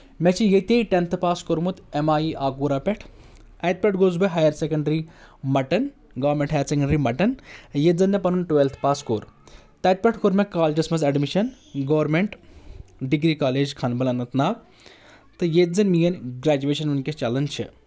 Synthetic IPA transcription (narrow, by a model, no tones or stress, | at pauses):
mɛt͡ʃʰijet̪ejʈent̪ʰpaːskoɾmut̪emaːiʔaːɡuːɾaːpʲɛʈʰ | ɐjt̪̚pʲɛʈʰɡozbɐɦaːjɐɾsekɐɳɖɐɾimɐʈɐn | ɡɐʋɾmʲeɳʈɦɐjɐɾsekɐɳɖɐɾimɐʈɐnjed͡zɐnːɛpɐnunʈʋelt̪ʰpaːskoːɾt̪ɐjt̪̚pʲɛʈʰkoɾmɛkaːld͡ʒɐsmɐzeɖmiʃɐn | ɡɐːʋɾmeɳʈ | ɖiɡɾiːkaːleːd͡ʒkʰɐnbɐlɐnɐt̪naːk̚ | t̪ɨjezɐnmijɐnɡɾaːd͡ʒuʋeːʃɐnʋɐnkest͡ʃɐlɐnt͡ʃʰḭ